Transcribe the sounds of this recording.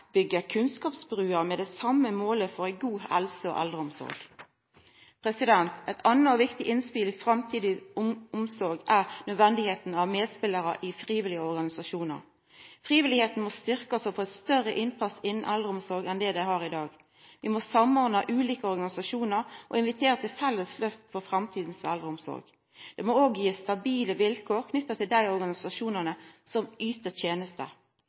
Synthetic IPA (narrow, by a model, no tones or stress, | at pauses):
bʏɡːəkʰʉnskɑːpsbʁʉːəmɛd̪ɛsɑmːəmoːləfɔʁæɪɡuːɛ̰lsəo̰ʔɛ̰ld̪ʁəʊmsɔ̰ɾɡ | pʰʁɛsɪd̪ɛnt̪ɛt̪ʰɑnːəɔʋɪkt̪ɪʔɪnspɪːlɪfʁɑmt̪ʰiːd̪ɪʊʊmsɔɾɡʔæʁnœd̪ʋɛnd̪ɪheːt̪n̩ɑʋmeːd̪spɪlːəɾə̰ʔɪfʁiːʋɪlɪəɔʁɡɑnɪsɑʃuːnə̰ʁ | fʁiːʋɪlɪheːt̪n̩mɔst̪ʏʁkɑsɔpʰɔɛt̪st̪œʁəʔɪnpʰɑsɪnːn̩ʔɛld̪ʁəʊmsɔɾɡɛnd̪ɛd̪æɪhɑːʁɪd̪ɑːɡ | ʋɪmɔsɑmɔʁd̪əʔʉːliːkəɔʁɡɑnɪsɑʃuːnəɾʔɔ̰ɪnʋɪt̪ʰeːɾət̪ʰɪlfɛlːəsløːft̪fɔfɾɑmt̪ʰiːd̪n̩sɛ̰ld̪ɾəʊmsɔ̰ɾɡ̥ | d̪̥ɛmɔoːɡjiːst̪ɑbiːləʋɪlkʰoːʁkʰnʏt̪ːɑt̪ʰɪld̪æɪɔɾɡɑnɪsɑʃuːnənəsɔmyːt̪ət̪ʰjeːnəst̪ə̰